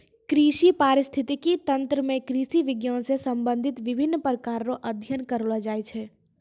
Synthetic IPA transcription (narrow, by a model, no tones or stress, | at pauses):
kɾiːʃipaːɾɪst̪ʰɪt̪ikit̪ɐ̃nt̪ɾəmẽkɾiːʃiʋɪɡjãsesɐ̃mbə̃nd̪ʱɪt̪ʋɪbʱɪnːpɾəkaːɾɾoʔɐd̪ʱjənkəɾoːlad͡ʒaːet͡ʃʰɛː